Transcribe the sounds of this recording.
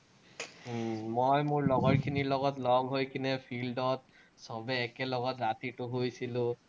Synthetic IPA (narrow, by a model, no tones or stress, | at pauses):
mojmʊɹlɔɡɔɹkʰiniɹlɔɡɔtlɔŋɦojkʰinɛpʰildɔt̚ | sɔbɛːkɛlɔɡɔtɹatitʊɦojsilʊ̃